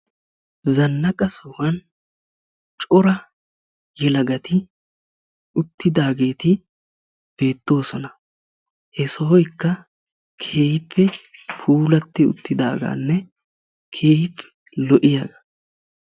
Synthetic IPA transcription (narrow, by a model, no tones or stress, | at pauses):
zɐnːɐkʼɐsɔwɐn | t͡ʃʼɔɾɐ | jɛlɐɡɐt̪ɪ | ʊt̪ːɪd̪aːɡe̞ːt̪ɪ | b̥e̞ːt̪ːo̞ːsɔnɐ | hɛsɔhɔjkːɐ | kʰe̞ːjɪpʰːɛfʰuːlɐt̪ːɪʊ̰t̪ːɪd̪a̰ːɡa̰ːnːɛ | kʰe̞ːjɪpːɛ̥ | lɔʔɪjaːɡɐ̥